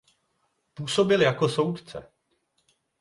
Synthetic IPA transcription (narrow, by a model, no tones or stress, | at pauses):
puːso̞bɪljako̞so̞wt̪t͡sɛ̰